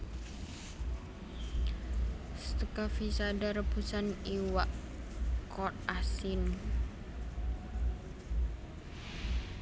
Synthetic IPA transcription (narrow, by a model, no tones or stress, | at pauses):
st̪əkafisadaɾəbusaniwaʔ | kɔt̪asin